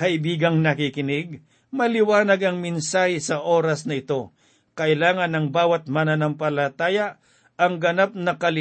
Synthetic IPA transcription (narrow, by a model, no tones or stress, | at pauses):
kɐʔɪbiːɡɐŋnɐkɪkɪnɪɡ̚ | mɐlɪwaːnɐɡɐŋmɪnsaːhɪsɐʔo̞ːɾɐsnɐɪt̪o̞ | kɐʔɪlaːŋɐnɐŋbaːwɐt̪̚manɐnɐmpɐlɐt̪aːjɐ | ɐŋɡɐnap̚nɐkɐlɪ